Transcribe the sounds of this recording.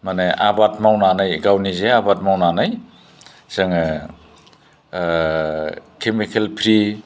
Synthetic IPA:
maneʔabat̚mawnanajɡawnizeabat̚mawnanaj | z̥ɯŋ | kʰemikʰelpʰɾi

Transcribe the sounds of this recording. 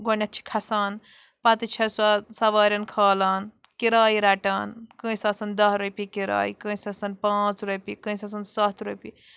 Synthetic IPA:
ɡonɐt̪̚t͡ʃʰi̥kʰɐsaːn | pɐt̪it͡ʃʰɐsasɐʋaːɾʲɐnkʰaːlaːn | kiɾaːiɾɐʈaːnkə̃ĩsɐːsɐnd̪ɐsɾopikiɾa̰ːikə̃ːisɐsɐnpãːt͡sɾupikə̃ːĩsɐs̬ɐnsaːt̪ʰɾupi

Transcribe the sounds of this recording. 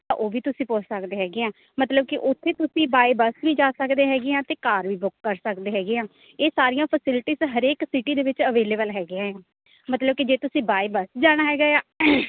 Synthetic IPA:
t̪ã̰ʔoːʋiːt̪ʊsĩːpʊt͡ʃʰsəkd̪eːɦɛːɡeãː | mət̪ləb̚kɪʔʊt̪ʰːeːt̪ʊsĩːbaːibəsʋiːd͡ʒaːsəkd̪eːɦɛːɡeãːt̪eːkaːɾʋiːbʊkːəɾsəkd̪eːɦɛːɡeãː | eːsaːɾijãːpʰəsɪlɪʈiːzɦəɾeːksiʈiːd̪eːʋɪt͡ʃəʋeːleːbəlɦɛːɡɪjãːɦaː | mət̪ləb̚kɪd͡ʒeːt̪ʊsĩːbaːibəsd͡ʒaːɽ̃aːɦɛːɡaːjaː

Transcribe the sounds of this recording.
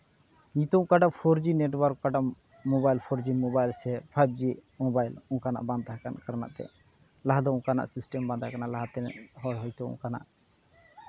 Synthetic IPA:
ĩt̪ɔũkaɖapʰɔɾd͡ʒineʈwɔɾkkaɖa | mɔbajlpʰɔɾd͡ʒimɔbajlsɛpʰajb̚d͡ʒimɔbajlũkana̰ʔbãnd̪aɦɛkankaɾna̰ʔt̪ɛ̰ | laɦad̪ɔũkana̰ʔsisʈɛmbãnd̪aɦɛkanaʔlaɦat̪ɛnhɔɽɦɔjt̪ɔṵ̃kana̰ʔ

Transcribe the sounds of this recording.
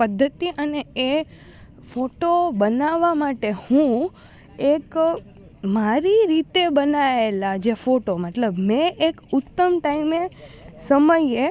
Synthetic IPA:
pəd̪ʱːət̪iʔənee | foʈobənaʋamaʈehũ | ek | maɾiɾit̪ebənaelad͡ʒefoʈoməʈləbmɛ̃ʔekʊt̪ːəmʈaimesəməje

